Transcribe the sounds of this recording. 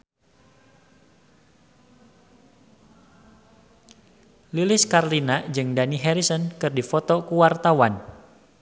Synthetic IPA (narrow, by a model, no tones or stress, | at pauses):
lilɪskaɾlinad͡ʒɨŋdaniɦɛɾisɔnkɨrdifɔt̪ɔkuwart̪awan